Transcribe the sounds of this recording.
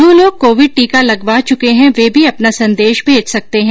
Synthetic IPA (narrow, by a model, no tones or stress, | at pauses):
ũloːɡ̚koːʋɪɖ̚ʈiːkalɐɡʋaːt͡ʃʊkeɦɛ̃ʋeːbʱiɐpnasɐ̃nd̪eːʃbʱeːd͡ʒsɐk̚t̪eɦɛ̃